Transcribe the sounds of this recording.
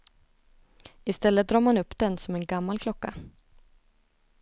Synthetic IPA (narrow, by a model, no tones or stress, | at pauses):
ɪst̪ɛlːət̪̚d̪ɾɑːɾmanɵpːd̪ɛnsɔmɛnɡamːalkʰlɔkːa̰